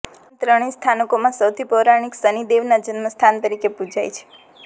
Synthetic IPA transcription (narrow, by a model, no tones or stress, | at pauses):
t̪ɾəɽ̃ist̪ʰanəkomãsəwt̪ʰipoɾaɽ̃iksənid̪eʋnad͡ʒənməst̪ʰant̪əɾikepud͡ʒajt͡ʃʰe̥